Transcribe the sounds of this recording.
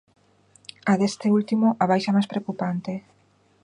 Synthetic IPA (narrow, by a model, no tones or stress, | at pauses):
aðest̪eult̪imoʔaβajʃamajspɾeokupant̪e